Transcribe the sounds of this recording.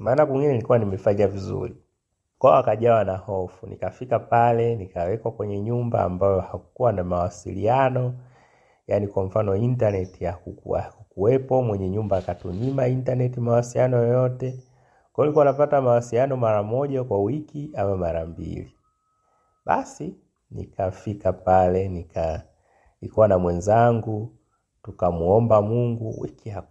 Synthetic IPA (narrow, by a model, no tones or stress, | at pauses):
maːnakwiŋɡinɛilikuwanimɛfaɲavizṵɾi | kwaɔakaʄawanahɔfunḭkafikapalɛnikawɛkwakwɛɲɛɲumba̰ːmbajɔhakuwanamawasḭlḭanɔ | janikwam̩fanɔintanɛtijakukṵa̰kukuɛpɔmwɛɲɛɲumbaːkatuɲimaintanɛtimawasiijanɔjɔjɔtɛ | kɔlikuwanapatamawasijanɔmaɾamɔʄakwawikiamamaɾambḭli | ɓa̰si | nḭkafikapalɛnika | nikuwanamwɛnzaŋɡu | tukamuɔmbamuŋɡuwḭkiak